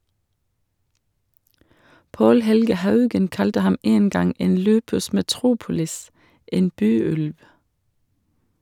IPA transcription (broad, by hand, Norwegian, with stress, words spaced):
ˈʔɑndʁeɪ ʃɛʋˈʃɛŋkʊ ˈʔɑːʋslʉtə ˈlɑnˌslɑːɡskɑʁɪˌæːn ˈpoː ˈjɛməˌbɑːnə ˈmeː ˈʔeːɛm